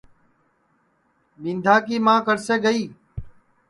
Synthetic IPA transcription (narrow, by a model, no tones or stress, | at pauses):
ɓĩːnd̪ʱaːkiːmãːkəɾseːɡəiː